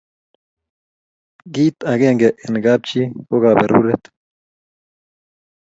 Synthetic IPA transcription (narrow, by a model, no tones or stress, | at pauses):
ɡiːt̪aɡeŋɡeʔenɡab̚t͡ʃioɣabeɾṵɾet̪